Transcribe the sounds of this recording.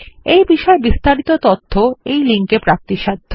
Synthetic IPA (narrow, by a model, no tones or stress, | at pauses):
ejbiʃɔebist̪aɾit̪ot̪ot̪ʰːoejliŋkepɾak̚t̪iʃad̪ʱːo